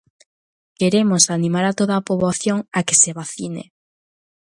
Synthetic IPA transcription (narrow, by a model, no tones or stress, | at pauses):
keɾemosanĩmaɾat̪oðaːpoβoθjoŋake̥seβaθinḛ